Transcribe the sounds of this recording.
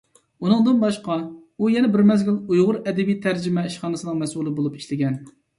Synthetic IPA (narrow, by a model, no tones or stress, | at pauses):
unɨŋd̪ɨnbɑʃqɑujɛnɛbɪɾmɛzɡʲilujʁʊɾɛd̪ɪbijt̪ʰæɾd͡ʒɪmɛiʃχɑːnɨsɨnɨŋmɛsulˠɨbolˠupi̥ʃlɪɡʲɛn